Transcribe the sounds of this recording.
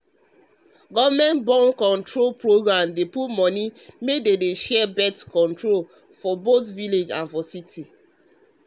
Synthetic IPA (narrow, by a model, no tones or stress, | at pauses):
ɡɔvmɛ̃ntbɔ̃nkɔ̃ntɹolpɹoɡɹãmdeputmɔnimededeʃɛbɛtkɔ̃ntɹol | fɔbotviled͡ʒã̰nfɔsiti